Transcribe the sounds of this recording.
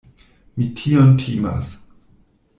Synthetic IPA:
mitʰiontʰima̰s

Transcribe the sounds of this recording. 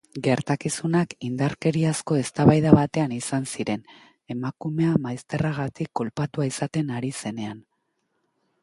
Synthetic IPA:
ɡe̞ɾt̪akisunakind̪aɾke̞ɾiasko̞e̞st̪aβajðaβat̪e̞anisansiɾe̞n | e̞makume̞amajst̪e̞raɣ̞at̪ikːo̞lpat̪uaisat̪e̞naɾise̞ne̞an

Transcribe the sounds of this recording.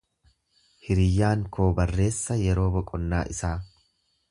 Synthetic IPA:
hɪɾɪjːaːŋkʰo̞ːbɐrːe̞ːsːɐjɛɾo̞ːbɔkʼɔnːaːʔɪsaː

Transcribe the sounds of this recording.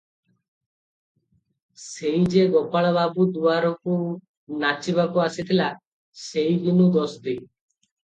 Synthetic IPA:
sejd͡ʒeɡɔpaɭɔbabud̪uaɾɔku | nat͡ʃiβakuasit̪ʰila | sejɡinud̪ɔsd̪i

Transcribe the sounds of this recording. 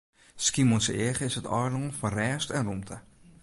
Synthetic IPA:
skimonsəɪχəɪsətɔːrdɔŋfɔnrɛːstɛnrumtʰə

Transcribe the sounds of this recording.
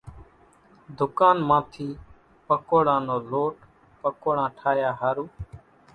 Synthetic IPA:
d̪ʊkaːnmãːt̪ʰiː | pəkoːɽãːnoːloːʈ | pəkoːɽãːʈʰaːjaːɦaːɾuː

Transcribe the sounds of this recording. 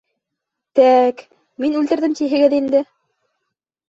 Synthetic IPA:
t̪æk | minʉlt̪ɘ̆ɾðɘmt̪iɦɘ̆ɡɘðind̪ɘ

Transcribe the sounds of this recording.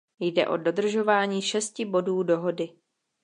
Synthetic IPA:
jdɛ̰ʔo̞do̞d̪r̩ʒo̞vaːɲiːʃɛscɪbo̞duːdo̞ɦo̞dɪ

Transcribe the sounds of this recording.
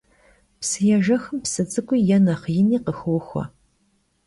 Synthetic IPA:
psɨjɛʒɐxɨmpsɨd͡zɨkʷʼijɛnɐχjɪniːqəxɨwxʷɐ̰

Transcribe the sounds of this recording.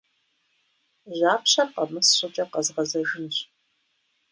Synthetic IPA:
ʑaːpɕɐqɐmɨsɕʊt͡ʃʼɐqɐzʁɐzɐʒɨnɕ

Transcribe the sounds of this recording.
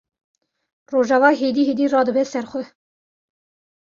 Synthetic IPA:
roːʒɑːvɑːɦed̪iːheːd̪iːrɑːd̪əbɛsɛɾxʷɛ

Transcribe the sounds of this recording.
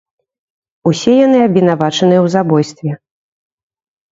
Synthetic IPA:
usʲɛjan̪ɨabʲɛnavat͡ʂɐn̪ɨjɛwzabɔjst̪vʲɛ

